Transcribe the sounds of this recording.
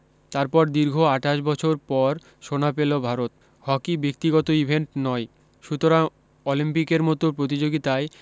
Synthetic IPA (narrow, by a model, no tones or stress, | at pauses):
t̪aɾpɔɾd̪iɾɡʱoaʈaʃbɔt͡ɕʰoɾpɔɾ | ʃonapelobʱaɾot̪̚ | hɔkibek̚t̪iɡɔt̪oibʱeɳʈnɔe | ʃut̪oɾaŋ | olimpikeɾmɔt̪opɾot̪̬id͡ʑoɡit̪ae